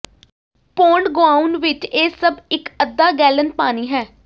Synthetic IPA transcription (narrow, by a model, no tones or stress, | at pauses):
poːɳɖɡoaːuʊnʋɪt͡ʃeːsəbɪkəd̪ːaːɡɛːlənpaːniːɦɛː